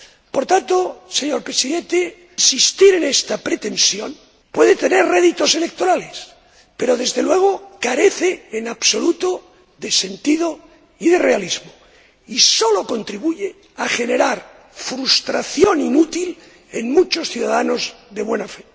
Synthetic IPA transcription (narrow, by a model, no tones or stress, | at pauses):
po̞ɾt̪ant̪ose̞ɲo̞ɾpɾesiðe̞nt̪e | nsist̪iɾe̞ne̞st̪apɾe̞t̪e̞nsjo̞n | pwe̞ðet̪e̞ne̞rreðit̪o̞se̞le̞k̚t̪o̞ɾale̞s | pe̞ɾo̞ðe̞zðe̞lwe̞ɣ̞o̞kaɾe̞θeːnaβso̞lut̪o | ðe̞se̞nt̪ið̞o | iðe̞re̞alizmo | isolo̞ko̞nt̪ɾiβuʝe | axe̞ne̞ɾaɾ | fɾust̪ɾaθjo̞ninut̪il | enmut͡ʃo̞sθjuðaðano̞zðe̞βwe̞nafe